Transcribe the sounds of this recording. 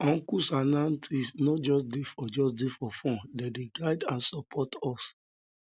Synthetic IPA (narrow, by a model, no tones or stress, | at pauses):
ɔ̃ŋkusanãntʰisnɔd͡ʒɔsdefɔd͡ʒɔsdefɔfɔ̃dɛdeɡaɪdãnsɔpʰɔtɔs